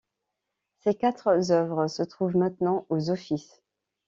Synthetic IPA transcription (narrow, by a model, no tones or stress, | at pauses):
sekat̪χzœvʁəsət̪χuvmɛ̃t̪nɑ̃ʔozɔfis